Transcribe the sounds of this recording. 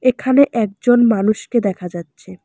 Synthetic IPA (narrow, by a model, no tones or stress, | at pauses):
ekʰaneʔɛk̚d͡ʑonmanuʃked̪ɛkʰad͡ʑatːɕʰe